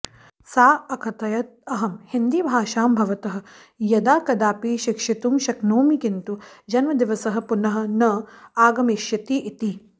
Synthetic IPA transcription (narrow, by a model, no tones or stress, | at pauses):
saːɐkʰɐt̪ɐjɐt̪̚ɐɦɐmhind̪ibʱaːʃaːmbʱɐʋɐt̪ɐɦɐ̆ | jɐd̪aːkɐd̪aːpiʃikʂit̪umʃɐknoːmikint̪ud͡ʒɐnmɐd̪iʋɐsɐɦɐ̆punɐɦɐ̆nɐaːɡɐmiʃjɐt̪iʔit̪i